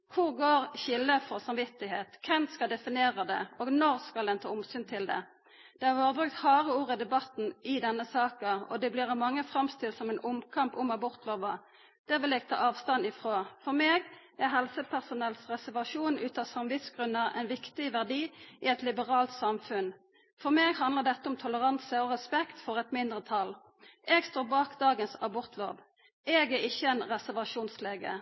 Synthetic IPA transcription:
hʰʊʁɡoːʁçɪlːəfɔʁsɑmʋɪt̪ːɪheːt̪kʰɛnskɑld̪ɛfɪneːʁəd̪ɛ̰oːɡnɔʁskɑldɛnt̪ʰɑ̰ːʊmsyːnt̪ʰɪld̪ɛ̰ | d̪̥ɛæʁʋoːʁəbʁʉk̚t̪hɑːʁəuːʁəd̪ɛbɑt̪n̩ɪd̪ɛnːəsɑːkəɔ̰d̪ɛbliːʁɑmɑŋːəfʁɑmst̪ɪlt̪sɔmɛɪnʔʊmkʰɑmpʊmɑbʊʁt̪loːʋɑ | d̪̥ɛʋɪljɛːɡ̥̚t̪ʰɑ̰ːɑːʋst̪ɑnɪfʁoːfɔʁmeːɡ | æʁɦɛlsəpʰæʁsʊnɛlsʁɛsæʁʋɑʃuːnʉːt̪ɑsɑmʋɪt̪sɡʁʉnːəʔɛ̰nʋɪkt̪ɪʋæʁd̪iːʔɪɛt̪lɪbəʁɑːlt̪sɑmfʉn | fɔʁmeːɡɦɑnd̪ləʁd̪ɛt̪ːəʊmt̪ʰʊləʁɑnsəɔʁɛspɛkt̪fɔʁɛt̪mɪnd̪ʁət̪ʰɑl | ʔeːɡst̪oːbɑːkd̪ɑːɡənsɑbʊʁt̪lo̰ːʋ | ɛːɡæɪçːəɛnʁɛsæʁʋɑʃuːnsleːɡə̰

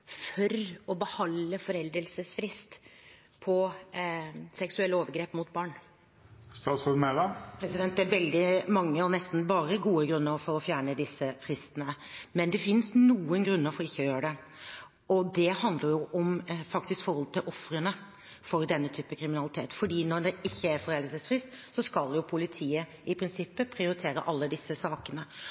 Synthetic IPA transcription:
fɔɾɔbəhɑlːəfɔɾɛld̪əlsəsfɾɪst̪ | pʰɔ | sɛksʉɛlːoːʋəɾɡɾeːpmʊt̪̚bɑːɳ | st̪ɑːt̪sʁəmɛlɑpʰɾɛsɪd̪ɛnt̪̚d̪ɛæɾʋɛld̪ɪmɑŋːəɔnɛst̪n̩bɑːɾəɡuːəɡɾʉnːəɾfɔɾɔfjæːɳəd̪ɪsːəfɾɪst̪ənəmɛnd̪ɛfɪnsnuːənɡɾʉnːəɾfɔɾɔɪçːəɔjøːəɖɛ | ɔd̪ɛhɑnd̪ləɾjʊʔɔmfɑkt̪ɪskfɔɾhɔlət̪ɪlʔɔfɾənə | fɔɾd̪ɛnːət̪ʰyːpəkʰɾɪmɪnɑlɪt̪ʰeːt̪fɔɖiːnɔɾɖ̪ɛɪçːəæɾfɔɾɛlsəsfɾɪst̪sɔskɑljʊpʰʊlɪt̪ʰiːə | ɪpʰɾɪnsɪpːəpʰɾɪʊɾɪt̪ʰeːɾə̰ʔɑlːəd̪ɪsːəsɑːkənə

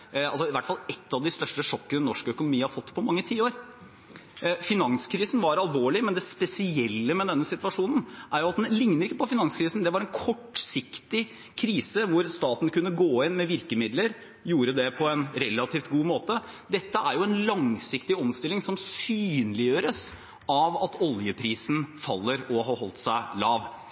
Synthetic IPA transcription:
ɑlsɔɪʋæʈːfɑlɛt̪ːɑʋd̪ɪst̪œʂʈəʂɔkːənənɔʂkəœkʊnʊmiːəhɑɾfɔt̪ːpʰɔmɑŋːət̪ʰiːoːɾ | fɪnɑŋskʰɾiːsn̩ʋɑɾɑlʋoːɭɪmɛnd̪ɛspɛsɪɛlːəmɛd̪ɛnːəsɪt̪ʋɑʂuːnən̩ʔæɾjʊɑt̪̚d̪ɛlɪŋnəɾɪkːəpɔfɪnɑŋskʰɾiːsn̩d̪ɛʋɑɾɛnkʰɔʈːsɪkt̪ɪ | kʰɾiːsəʋʊɾst̪ɑːt̪n̩kʉnːəɡoːɪnmɛʋɪɾkəmɪd̪ləɾ | juːɾəd̪ɛpʰɔɛnɾɛlːɑt̪ʰiːft̪ɡuːmoːt̪ə | d̪ɛt̪ːəʔæɾjʊɛnlɑŋsɪkt̪ɪɔmst̪ɪlːɪŋsɔmsyːnlɪjøːɾəs | ɑʋɑt̪ʰɔljəpʰɾiːsn̩fɑ̰lːəɾɔɦɑɾhɔlt̪sæɪlɑːʋ

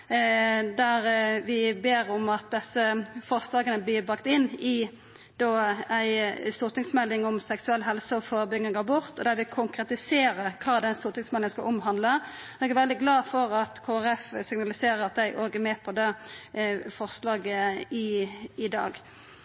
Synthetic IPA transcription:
d̪æɾʋɪbeːʁɔmɑt̪̚d̪ɛsːəfɔʁslɑːɡənəblɪbʁɑkt̪ɪnːɪ | d̪̥oːæɪst̪uːʁt̪ɪŋsmɛlːɪŋɔmsɛksʉɛlːɦɛlsəɔfoːɾəbʏɡnɪɡɑbʊʁt̪ɔd̪æɾʋɪkʰʊŋkɾɛt̪ɪseːɾəɾkʰɑːd̪ɛnst̪uːɾt̪ɪŋsmɛlɪŋənskɑ̰ʔʊmɦɑnd̪lə | ɛɡɛʋɛld̪ɪɡlɑːfɔɾɑt̪kʰoːæɾɛfsɪŋnɑlɪseːɾəɾɑt̪̚d̪æɪʔoːɡɛmɛːpʰɔd̪ɛ | fɔʁslɑːɡəɪɪd̪ɑ̰ːɡ

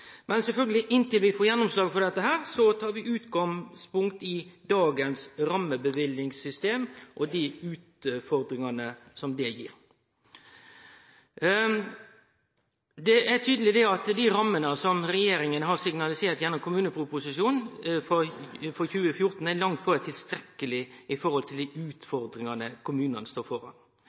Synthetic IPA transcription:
mʔɛnsɛlfœlɡəlɪʔɪnt̪ɪlʋɪfoːɾjɛnːɔmslɑːɡfɔɾd̪ɛt̪ːəɦæːɾsɔt̪ʰɑːɾʋɪʔʉːt̪ɡɑŋspʊŋk̚t̪ɪd̪ɑːɡənsɾɑmːəbəʋɪlɪŋsʏst̪eːmʔɔd̪iʉːt̪fɔɾd̪ɾɪŋɑnəsɔmd̪ɛjḭːɾ | d̪ɛʔæt̪ʰyːd̪əlɪd̪ɛɑt̪d̪iɾɑmːənəsɔmɾɛjeːɾɪŋənəɦɑɾsɪŋnɑlɪseːɾt̪jænɔmkʰʊmʉːnəpʰʊpʊsɪʂuːnfɔfɔçʉːəfjʊɾt̪n̩ælɑŋt̪fɔɾɛt̪ʰɪlst̪ɾɛkːəlɪʔɪfɔɾhɔlt̪ʰɪld̪iʔʉːt̪fɔɾd̪ɾɪŋɑnəkʰʊmʉːnənəst̪oːɾfɔɾɑ̰n

